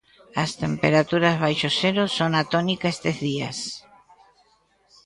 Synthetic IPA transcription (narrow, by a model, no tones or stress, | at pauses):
ɐst̪empeɾat̪uɾazβajʃoseɾosonat̪onikaest̪ezðias